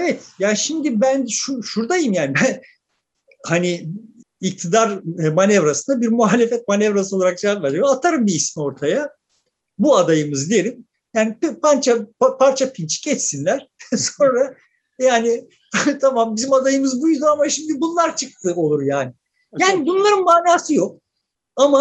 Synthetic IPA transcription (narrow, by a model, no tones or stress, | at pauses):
evɛt̪jaːnʃimd̪ibænʃuʃuɾd̪ajɯmjaːnibæn | haniː | k̚t̪ʰid̪aɾmanɛvɾasɯnd̪abiɾmuhaːlʲe̞fɛt̪̚manɛvɾas̬ɯo̞lˠaɾak̚d͡ʒaavaɾijoat̪ʰaɾɯmbiismio̞ɾt̪ʰaja | buad̪ajɯmɯzd̪ije̞ɾʲim | jaːnippʰant͡ʃʰapapʰaɾt͡ʃʰapʰint͡ʃʰi̥cɛt͡ʃsinlʲæɾ̥so̞nɾa | jaːnɪ | t̪ʰamambizimad̪ajɯmɯzbujd̪uamaʃimd̪ibunlˠaɾt͡ʃʰɯk̚t̪ʰɯo̞lˠuɾjaːnɪ | jaːnibunlˠaɾɯnmaːnaːsɯjo̞k̚ | ama